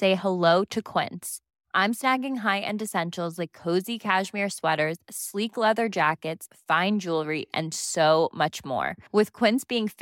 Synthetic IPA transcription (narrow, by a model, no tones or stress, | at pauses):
seɪhəloʊɾɨkʰw̥ɪ̰̃ns | ʔãɪ̃msnæɡɪ̃ŋɦaɪʔɨ̰̃ndɨsɛ̃nʃl̩ˠzlaɪkʰːoʊzikʰæʒmɪɹswɛɾə˞z̥sliklɛðə˞d͡ʒækɨtsfãɪ̃nd͡ʒulˠɹiʔɨ̰̃nsoʊmʌt͡ʃmɔ̰ɹwɨð̥kʰw̥ɪ̃nsb̥iɪ̃ŋf